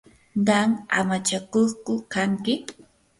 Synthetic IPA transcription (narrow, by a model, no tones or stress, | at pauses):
ɢɑŋa̰mat͡ʃakoχkʊkaŋkɪ